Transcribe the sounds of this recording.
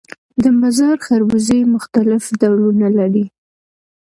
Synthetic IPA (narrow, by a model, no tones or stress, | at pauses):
d̪əmbazɑɾxaɾwizemʊxt̪alɪfd̪alunalaɽi